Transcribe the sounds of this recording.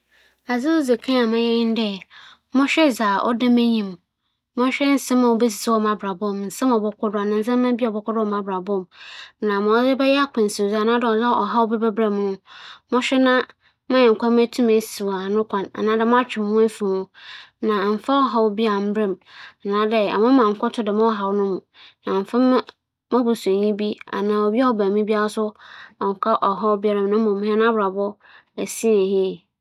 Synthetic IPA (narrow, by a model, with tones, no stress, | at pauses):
a˨zɪ˦o˦ze˨kʰã˦a˨mã˦jɛ̃˦n̩˦dɛ˦˨ | mʊ̃˦ɕᶣɛ˦zaː˨ʔɔ̰˦dɪ̃˦me˦ɲĩ˨m | mʊ̃˦ɕᶣɛ˦n̩˦sɪ̃˦mã˨wo˦be˦s̬i˨sɪ˦wɔ˦mã˨bɾa˨bʊ̃˦˨mn̩˨sɪ̃˦m˨ɔ˨bɔ˨kʰʷʊ˦dʊ˦a˨nã˨n̩˨s̬ã˦mː˦ã˦bi˦˨ɔ˨bɔ˨kʊ˦dʊ˦ɔ˨mã˨bɾa˨bʊ̃˦˨mnã˨mʊ̃˨˦zɪ˦bɛ˦jɛ˦a˦kʰʷʊ̃˨n̩˨su˨za˨nã˦dɔ˨za˦ʔɔ˨ɦa˦wo˦bɛ˦bɛ˦bɾa˨mʊ̃˦mʊ̃˦ɕᶣɛ˦nã˦ | mã˦ɪ˨ŋ̩˨kʰʷa˦m˦æ˦tʰũ˦me˨si˨wa˨nʊ̃˦kʰã˨na̰˨nãː˨˦dɛ˨˦mʊ̃˦a˦t͡ɕᶣɪ˨mʊ̃˦e˦fi˨mʊ̃˦nã˨m̩˨fa˦ɔ˦ɦɔ˦wbi˦a˨m̩˦bɾɛ̃˨m˨nã˨˦dɛ˨a̰˨mʊ̃˦mã˨ŋ̩˨kʰɔ˦tʰʊ˦dɪ˨mã˦ɦa˨wnʊ̃˦mʊ̃˨nã˨m˨fɪ̃˦m˦ | mã˦bʊ˨sẽ˨ɲĩ˦bi˦a̰˨nãː˨ɔ˨bi˦a˦wɔ˨bæ˨mĩ˦bi˦a˦sʊ˦ɔ˨ŋ̩˨kʰa˦ʔɔ˨ɦɔ˦wbɪ˦ɛ˦ɾã˨mnʊ̃˦mʊ̃˨m̃˨˦ɛ̃˦nã˦bɾa˨bɔ˦ | æ˨si˦e˨hi˦˨